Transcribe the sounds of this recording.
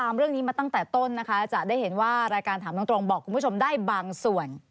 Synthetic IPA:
aː˧mɾɯ˥˩əŋniː˦˥maː˧t̪a˥˩ŋt̪ɛː˨˩t̪o˥˩nːa˦˥kʰa˦˥t͡ɕa˨˩daː˥˩jɦe˩˦nwaː˥˩ɾaː˧jkaː˧nt̪ʰaː˩˦na˦˥t̪ɾo˧ŋbɔː˨˩kʰːu˧npʰo˧mdaː˥˩jbaː˧ŋsu˨˩ən

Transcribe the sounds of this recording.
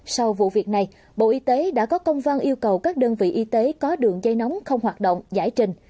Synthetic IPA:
sa˧wvṵ˧˨vi˨˩ək̚na˨˩j | ɓo̰˧˨ʔi˧t̪e˨˦ɗa̰ː˧˥kɔ˨˦kə˧wŋ͡mva˧nʔi˧əwkə˨˩wkaː˦˥k̚ɗəː˧nvḭ˧˨ʔi˧t̪e˨˦kɔ˨˦ɗɨ˨˩əŋzə˧jnɔ˨˦wŋ͡mxə˧wŋ͡mɦwaː˨˩t̚ɗo̰˧˨wŋ͡mza̰ː˧˩jt͡ɕï˧ŋ̟

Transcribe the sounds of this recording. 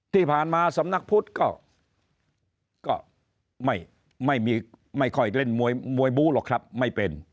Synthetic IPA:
t̪ʰiː˥˩pʰaː˨˩nmaː˧sa˨˦mna˦˥˩k̚pʰu˦˥˩t̪̚kɔː˥˩ | kɔː˥˩ | ma˥˩j | ma˥˩jmiː˧ma˥˩jkʰɔ˥˩jle˥˩nmu˧əjmu˧əjbuː˦˥lɔː˨˩kʰɾa˦˥p̚ma˥˩jpe˧n

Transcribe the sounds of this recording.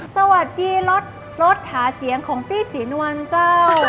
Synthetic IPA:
sa˧wa˨˩t̪̚diː˧lo˦˥t̪̚ | ɾo˦˥t̪̚haː˩˦si˩˦əŋkʰɔː˩˦ŋp̪ʰiː˥˩siː˩˦nu˧wa˧nt͡ɕaː˥˩˥w

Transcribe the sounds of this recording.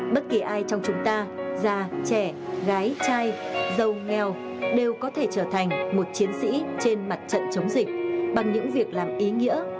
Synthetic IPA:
ɓə˦˥t̚ki˨˩ʔaː˧jt͡ɕɔ˧wŋ͡mt͡ɕʊ˨˦ŋ͡mt̪aː˧zaː˧˩t͡ɕɛ˧˩ɣaː˨˦jt͡ɕaː˧j | zə˧˩wŋɛ˨˩w | ɗe˨˩wkɔ˨˦t̪ʰe˧˩t͡ɕəː˧˩t̪ʰa˨˩jŋ̟mo˨˩t̚t͡ɕi˨˦ənsḭ˧˥t͡ɕe˧nma˨˩t̚t͡ɕə̰˧˨nt͡ɕə˨˦wŋ͡mzï˨˩k̟̚ɓa˨˩ŋɲɨ̰˧˥ŋvi˨˩ək̚laː˨˩mʔi˨˦ŋḭ˧˥ə

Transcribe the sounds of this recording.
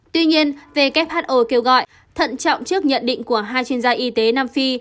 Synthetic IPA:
t̪wi˧ɲi˧ənve˨˩ka˦˥p̚haː˦˥t̚ʔo˧˩ke˧wɣɔ̰˧˨j | t̪ʰə̰˧˨nt͡ɕɔ̰˧˨wŋ͡mt͡ɕɨ˦˥ək̚ɲə̰˧˨nɗḭ̈˧˨ŋ̟ku˧˩əɦaː˧jt͡ɕwi˧ənzaː˧ʔi˧˦t̪e˨˦naː˧mfi˧

